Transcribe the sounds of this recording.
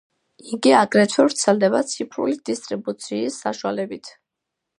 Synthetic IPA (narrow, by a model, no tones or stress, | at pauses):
iɡiaɡɾɛt̪ʰɛvɾt̪sʰɛld̪ɛbat̪sʰipʰɾṵlid̪ist̪ʼɾibut̪sʰiːsːaʃwalɛbit̪ʰ